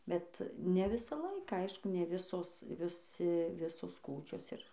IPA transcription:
bʲɛt nʲɛ ˈʋʲɪsɑː ˈlˠɐɪkɑː ɐɪʃkʊ nʲɛ ˈʋʲɪsoːs ʋʲɪˈsʲɪ ˈʋʲɪsoːs ˈkuːt͡ʃʲoːs ɪr

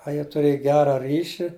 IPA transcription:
ɐ ˈjiɛ tʊˈrʲeːj ˈɡʲæːrɐ ˈrʲiːʃʲɪ

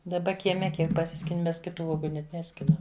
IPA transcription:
dɐˈbɐ kʲiɛˈmʲɛ ˈkʲiɛk pɐˈsʲɪsʲkʲɪnʲɪ ˈmʲɛs kʲɪˈtuː ˈuɔɡʊ nʲɛt ˈnʲæːsʲkʲɪnɐm

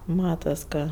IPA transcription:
ˈmɑːtɐs ˈkɐ

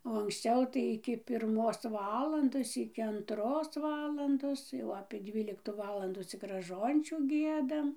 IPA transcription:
oː ɐŋksʲˈt͡sʲɛʊ tɐɪ ˈɪkʲɪ pʲɪrˈmoːs ˈʋɑːlˠɐndoːs ˈɪkʲɪ ɐnˈtroːs ˈʋɑːlˠɐndoːs jɛʊ ɐpʲiɛ ˈdʲʋʲiːlʲɪktuː ˈʋɑːlˠɐnduː ˈt͡sʲɪk rɐˈʒoːnʲt͡ʃʲuː ˈɡʲiɛdɐm

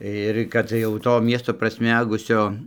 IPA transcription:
ɪr ˈkɐt jɛʊ ˈtoː ˈmʲiɛstoː prɐsʲˈmʲæːɡʊsʲoː

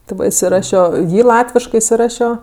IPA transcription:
tʲɪ ˈʋɐ ɪsʲɪˈrɑːʃʲoː ˈjiː ˈlˠɑːtʲʋʲɪʃkɜ ɪsʲɪˈrɑːʃʲoː

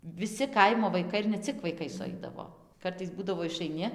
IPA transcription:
ʋʲɪˈsʲɪ ˈkɐɪmoː ʋɐɪˈkɐɪ ɪr nʲɛ ˈt͡sʲɪk ʋɐɪˈkɐɪ sʊˈɐɪdɐʋoː ˈkɐrtɐɪs ˈbuːdɐʋoː ɪʃɐɪˈnʲɪ

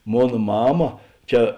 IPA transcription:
ˈmoːn ˈmɑːmɐ ˈt͡ʃʲɛ

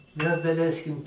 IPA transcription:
mʲɛs dɐˈlʲɛɪsʲkʲɪm

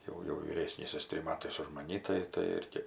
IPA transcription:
ˈjɛʊ jɛʊ ʋʲiːˈrʲeːsʲnʲiːs ˈjɪs ˈtʲrʲɪm ˈmɑːtɐɪs ʊʃ mɐˈnʲɪ tɐɪ tɐɪ ˈɪrʲɡʲɪ

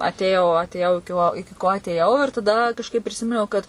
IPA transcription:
ɐtʲeːˈjɛʊ ɐtʲeːˈjɛʊ ɪkʲɪ ˈkoː ɪkʲɪ ˈkoː ɐtʲeːˈjɛʊ ɪr tɐˈdɐ kɐʃˈkɐɪp pʲrʲɪˈsʲɪmʲɪnʲɛʊ kɐt

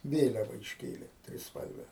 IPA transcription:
ˈʋʲeːlʲɛʋɐ ɪʃʲˈkʲeːlʲeː tʲrʲɪsˈpɐlʲʋʲɛ

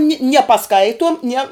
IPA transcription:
nʲɪ nʲiɛ pɐˈskɐɪtuɔm nʲiɛ

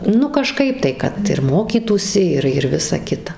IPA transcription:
ˈnʊ kɐˈʃkɐɪp tɐɪ kɐt ɪr ˈmoːkʲiːtuːsʲɪ ˈɪr ɪr ˈʋʲɪsɐ ˈkʲɪtɐ

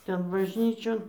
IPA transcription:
ˈtʲɛn bɐʒʲˈnʲiːt͡ʃʲoːn

